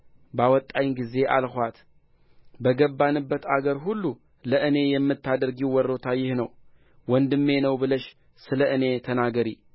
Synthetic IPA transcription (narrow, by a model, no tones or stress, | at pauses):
bawɔt̪ʼːajnɡize̞ʔa̰lhʷat̪ | bəɡəbːanɨbːət̪aɡəɾɦulːu | ləʔɨne̞jɛmːɨt̪ʰːad̪əɾɡiwɔɾo̞t̪ʰajɪhnəw | wɔnd̪ɨmːe̞nəwbɨləʃ | sɨləʔɨne̞t̪ʰənaɡəɾi